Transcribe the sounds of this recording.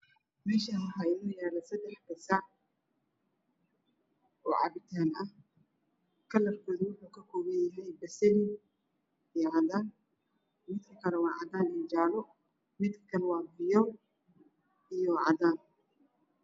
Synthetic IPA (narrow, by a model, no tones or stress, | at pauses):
mɛːʃɐɦɐɦaɪnɔjaːlɐsɐd̪ɛħbɐsaː | ʔɔ̰ːʕɑ̰βɪt̪ʰaːnɐh | kʰɐlɐrkʰɔːðwʊħuːkʰɐkʰɔːβɐnjɐɦɛjbɐsɐlɪ | ijʕɑðaːn | mɪd̪kʰɐkʰɐɾɐwɑːʕɑd̪aːnɪnd͡ʒaːlɔ | mɪd̪kʰɐ̥kʰɐnwɑːbɪjɔw | ʔijɔʕɑ̰d̪aːn